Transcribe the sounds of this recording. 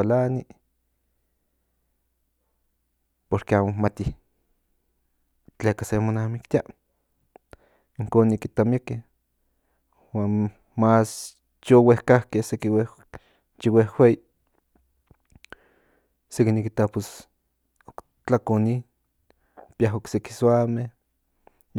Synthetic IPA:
alani | poɾkeaːmomat̪i | t͡ɬeːkasemonamikt̪ia | iŋkoːnːikit̪ameke | waːn | mas | t͡ʃowehkahkehsekiwe | t͡ʃiwehwei | sekinikit̪apos | ok | t͡ɬakoni | pjaɦokseki̥swameh

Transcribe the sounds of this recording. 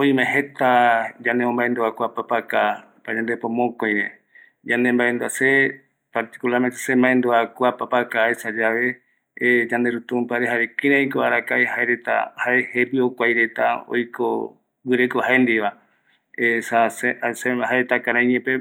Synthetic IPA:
õj̃mẽɦet̪ad͡ʒaneõmbaend̪uakʷapapaka | pad͡ʒand̪epõmokoj̃ɾẽ | d͡ʒanembaend̪uase | paɾt̪i̥kulaɾmẽt̪e̥sẽmãẽnd̪uakʷapapakaesad͡ʒaʋe̞ | d͡ʒand̪eɾut̪ũpaɾeɦaɾekĩɾãĩkoaɾakaehaeɾet̪a̰haehepiokʷajɾe̞t̪a̰o̰jkʰo̰ | wɨɾekoɦaend̪iβa | esasesehaet̪akãɾãĩɲẽpe

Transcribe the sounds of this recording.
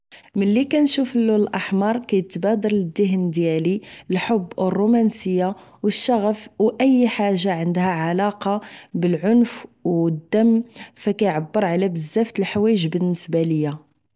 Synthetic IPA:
mənlːikænʃufəlːullʔɑħmɑɾˤkæjət̪bæd̪ɑɾˤləd̪ːəɦnd̪jælilħobːərˤːumænsəjːawəʃːɑɣəfwʔəjːħaʒːaʕənd̪hæʕalɑqɑbəlʕʊnfwd̪ːəmːfækæjʕabːəɾˤʕalæbəzːæft̪əlħwæjəʒbənːəsbæləjːa

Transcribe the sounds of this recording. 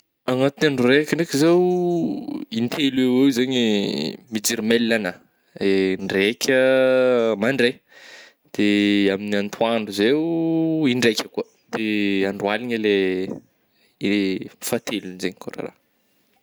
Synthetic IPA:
aŋat̪unaɳɖ͡ʐurekʲənekʲizew | int̪ʰeluewewzaɲimid͡ʒiɾmelːana | eɳɖ͡ʐekʲʰə | maɳɖ͡ʐe | d̪̥eaminiant̪ʰuaɳɖ͡ʐuzewiɳɖ͡ʐekʲəkuə | d̪eaɳɖ͡ʐwaliɲəle | efat̪ʰelunizeɲiko̰ra̰ɾa̰

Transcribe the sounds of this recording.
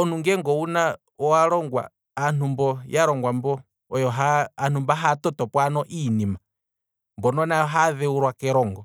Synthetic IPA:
ɔnuŋɡɛŋɡɔuna | ɔaɾɔŋɡwa̰ː | n̥umbɔjaɾɔŋɡwambɔ | ɔjɔɦaːn̥umbaɦatɔtɔpwanɔʔinima | mbɔnɔnaɔɦaðɛuɾwakɛɾɔŋɡɔ

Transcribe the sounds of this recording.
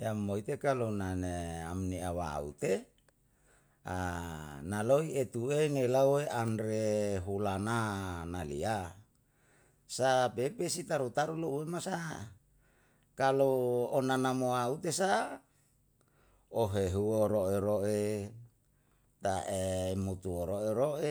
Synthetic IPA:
eamːoit̪ekalonanea̰mniawa̰ṵt̪e | analoiet̪ueŋelaueʔanɾeɦulananalḭa | sapepesit̪aɾut̪aɾulouemasa | kaloonanamoaut̪esa | oɦeɦuoɾoʔeɾoʔe | t̪aʔemut̪uoɾoʔeɾoʔe

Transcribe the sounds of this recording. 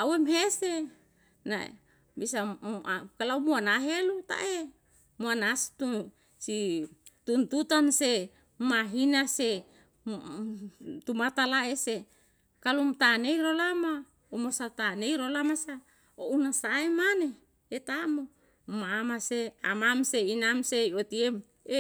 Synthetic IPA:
awemɦese | na̰ | bisaakalaumuanaɦelut̪a̰ʔe | muanast̪u | si | t̪unt̪ut̪anse | maɦinase | t̪umat̪alaese | kalumt̪aneiɾolama | omosat̪aneiɾolamasa | ounasaemaneː | t̪amo | mamasea̰mamseinamseiot̪iem | e

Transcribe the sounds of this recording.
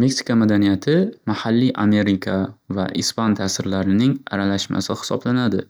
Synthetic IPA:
meksi̥kʰamad̪anijat̪ʰɪmahalːiʔame̞ɾɪkʲʰava̰ʔɪspant̪ʰaːsɪɾlaɾɪnɪŋa̰ɾalaʃma̰sɪhɪ̥sɒ̰blanad̪ɪ

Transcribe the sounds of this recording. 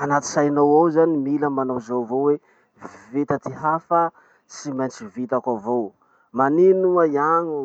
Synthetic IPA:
anat̪i̥sajnowawzanimiləmanowzowvowwe | vet̪at̪iɦafə | simant͡sivit̪akʷavow | maninuəiaɲu

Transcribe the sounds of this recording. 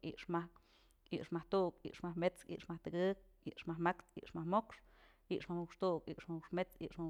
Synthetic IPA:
ḭʔʂma | ḭʔʂmaht̪uʔkḭʔʂmahmet͡skḭʔʂmaht̪ɨkɨk̚ | iʔʂmahmakt̪ḭʔʂmahmokʂ | iʔʂmahmukʂt̪uʔkiʔʂmahukʂmet͡sḭʔʂma

